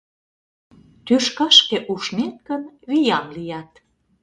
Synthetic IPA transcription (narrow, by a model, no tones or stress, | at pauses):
t̪yʃkɑʃkĕʔuʃnenkənβijɑmlijɑt̪